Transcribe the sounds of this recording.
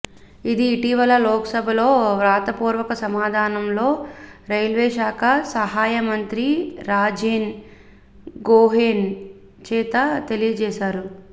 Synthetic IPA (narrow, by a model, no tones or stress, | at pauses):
id̪iːʈiʋɐlɐlɔːkɐsɐbʱɐlo̞ːʋɾaːt̪ɐpuːɾʋɐkɐsɐmaːd̪ʱaːnɐmlo̞ːɾɐjlʋɛːʃaːkɐsɐɦaːjɐmɐnt̪ɾiɾaːd͡ʒeːn | ɡoːɦeːn | t͡ʃɛːt̪ɐt̪e̞lijɐd͡ʒɛːʃaːɾu